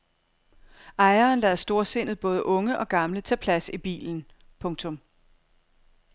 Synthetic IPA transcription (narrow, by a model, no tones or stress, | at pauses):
ʔɑ̈ɪɐːnlɛðˠsd̥o̝ɐse̝n̰ð̩ˠb̥ɔ̽ːð̞ˠəʔɔ̽ŋəʔɒ̽ɡ̥ɑ̈mlət͡sʰæ̰ːpʰlæsib̥ḭːln̩ | pʰɔ̽ŋt͡sʰɔ̽m